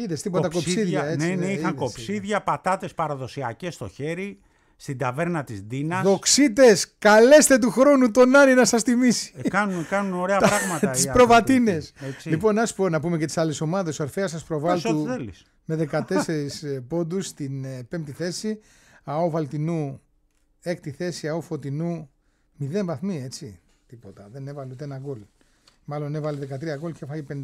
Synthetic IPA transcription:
iðest̪ipot̪ɐkopsiðʝɐent͡seneiɐŋkopsiðʝɐpɐt̪ɐt̪e̞spɐɾɐðo̞siɐ̰cest̪o̞̰çe̞ɾi | st̪id̪ɐve̞ɾnɐt̪izd̪inɐsðo̞ksit̪e̞skɐle̞st̪e̞t̪̬uxɾo̞nut̪o̞nɐninɐsɐst̪imisi̥kɐnunkɐnuno̞ɾeɐɾɐɣmɐt̪ɐispɾovɐt̪ine̞seslipo̞nɐsponɐpume̞cet̪i̥sɐleso̞mɐðe̞soeɾθeɐs̬ɐspɾo̞vɐlsuðelis | me̞ðe̞kɐt̪e̞seɾispo̞d̪ust̪inpempt̪iθe̞si | ɐovɐlt̪inu | e̞kt̪iθe̞siɐofo̞t̪inu | miðe̞nvɐθmie̞t͡sḭ | t̪ipot̪ɐðe̞ne̞vɐlut̪eenɐɡol | mɐlo̞nevɐleðe̞kɐt̪ɾiɐɣolcefɐjipend̪

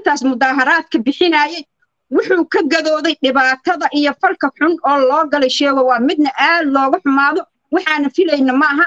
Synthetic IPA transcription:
ɪnt̪ʰaːsmʊðaːɦɐɾaːd̪kʰɐbɪħɪnaːjɛj | wʊħuːkʰɐɡɐðɔːðɛjɖɪβaːt̪ʰɐðɐʔijɔfɐlkʰɐħʊnɔːlɔːɡɐlɛjʃɛːɣɔwɑːmɪd̪nɐʔaːd̪lɔːɣʊħʊmaːðɔ | wɑħɑːnɐfɪlɛjnɐmɐɐɦɐ

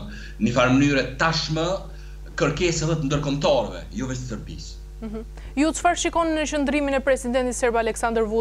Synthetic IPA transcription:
nifaɾmənyɾɛt̪aʃmə | kəɾkɛsɛðɛt̪ənd̪əɾkɔmt̪ɔɾɛvɛ̰jɔvɛst̪əsəɾbḭs | m̩ɦ̩ | jut͡sfaɾʃikɔnːət͡ʃənd̪ɾiminɛpɾɛsid̪ɛnt̪isɛɾbalɛksand̪əɾvu

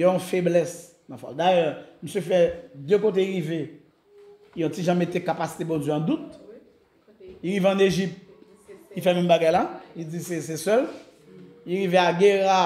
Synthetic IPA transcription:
jɔɔ̃feblɛs | nãfa̰ld̪ajœm̩søfɛd̪økot̪̬eʁive | ɔ̃t͡siʒãmet̪ekapasi̥t̪ebɔ̃d͡zɥøɑ̃d̪ut̪̚ | iɣiveɑ̃neʒip̚t̪̚ | kifɛmɛ̃mbaɡajlaid͡zises̬ɛsœl | iɣiveaɡeʁa

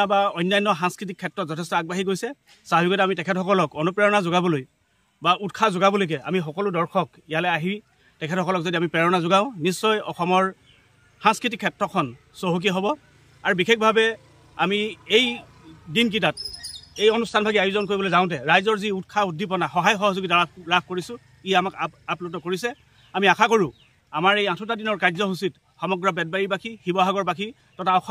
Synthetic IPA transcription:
abaɔjnːajnːɔxãŋskɹit̬ikʰːɛtɹɔtzɔtʰɛstɔaɡ̚baɦikojsɛ | saabʱikɔjtɛamitɛkʰɛtxɔkɔlɔkɔnupɹɛɹɔnazʊɡabɔloj | bautkʰazʊɡabɔlojk̬ɛa̰mixɔkɔlʊdɔɹkʰɔk | ijalɛaɦi | tɛkʰɛtxɔkɔlɔkzodiamipɹɛɹɔnazʊɡaʊ̃nisːɔjɔ̰xɔmɔɹ | hãŋskɹitikʰːɛtɹɔkʰːɔn | soɦuk̬iɦɔbɔ | aɹubikʰek̚bʱabɛ | a̰miej | dink̬it̬at̚ejonustʰanbʱaɡiajuzɔnk̬oɹibɔlojzãʊ̃t̬ɛɹajzɔɹziutkʰaudʱːipɔnaxɔɦajxɔɦɔzuɡitaaɹapʰkoɹisʊ̃ | iamakaplutɔkoɹisɛ | amiakʰakoɹʊ̃ | amaɹejãtʰʊtadinɔɹkaɹzɔɦusit | xɔmɔɡɹɔbɛd̚baɹipakʰixibɔɦaɡɔɹpakʰi | tɔtʰaɔx

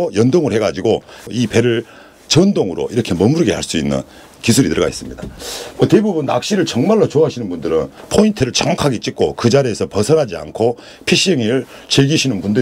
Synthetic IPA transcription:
jʌndoŋɯɭhe̞ɡad͡ʑiɡoipe̞ɾɯɭ | t͡ɕʌndoŋɯɾo̰iɾʌkʰe̞mʌmuɾɯɡehaɭs͈uinːɯ̰n | kisʰuɾitɯɾʌɡa̰is͈ɯmɲidamʌte̞bubunːak̚ɕ͈iɾɯɭt͡ɕʌŋmaɭːot͡ɕoɦaɕʰinɯnbundɯɾɯnpʰointʰɯɾɯɭt͡ɕaŋwakʰaɡet͡ɕ͈ik̚k͈o̰kɯd͡ʑaɾiesʰʌpʌsʰʌɾɦad͡ʑia̰nkʰo | pʰiɕ͈iʌŋiɾɯɭ | t͡ɕeɡiɕʰinɯnbundɯ

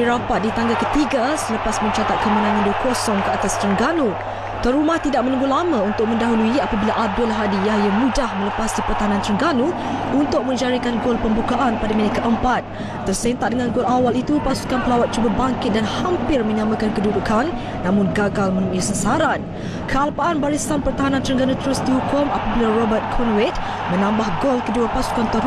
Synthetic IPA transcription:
iɾapat̪̚dit̪aŋɡakət̪iɡasələpasmə̃ɲt͡ʃat̪at̪̚kəmə̃nãnandukɔsɔŋkəat̪ast̪ɾəŋɡanu | t̪aɾumaht̪idaʔ̚mə̃nũŋɡulamãunt̪ʊk̚mə̃ndaɦuluiapabilaʔab̚dʊlɦadijajamũdahmə̃ləpasipərt̪aɦanant̪ɾəŋɡanu | unt̪ʊk̚mə̃ɲd͡ʒaɾikanɡʊlpəmbukaʔanpadaminikəʔəmpat̪̚ː | ərsɛnt̪aʔdəŋãnɡolawalit̪upasu̥kanpəlawat̪̚t͡ʃubabaŋkɪt̪̚danhampɪrmə̃ɲamə̃kankəduɾukʰanː | ãmʊ̃nɡaɡalmənũʔisəsaɾan | kʰəalpaʔanbaɾisanpərt̪aɦanãnt̪ɾəŋɡanũt̪əɾʊsdihukʊmapabilarɔbərt̪̚kʰɔnwɛt̪̚ | mə̃nãmbahɡolkəduapasu̥kant̪ɔ

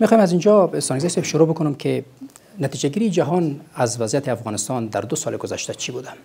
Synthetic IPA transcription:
mexɔjemazind͡ʒɔɪst̪ɔnɡzajsebʃʊɾobʊkʊnʊmkʰe | nat̪id͡ʒaɡiɾijːd͡ʒaɦɔnazvazjat̪eafɣɔnɪst̪ɒnd̪aɾd̪ʊsɒleɡʊza̰ʃt̪at͡ʃʰibud̪a

